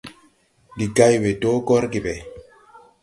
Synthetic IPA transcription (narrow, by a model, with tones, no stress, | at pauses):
ndi˨ɡa˦jwe˨doː˦ɡɔ˦ɾɡi˨bɛ˨